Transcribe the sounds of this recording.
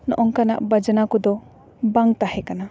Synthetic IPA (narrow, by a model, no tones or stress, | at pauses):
nɔ̰ʔɔŋkana̰ʔbad͡ʒənakud̪ɔ | baŋt̪ahɛkana